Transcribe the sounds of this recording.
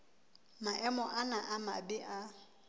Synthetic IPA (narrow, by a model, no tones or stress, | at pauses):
maʔɛmɔʔanaʔama̰bɪʔa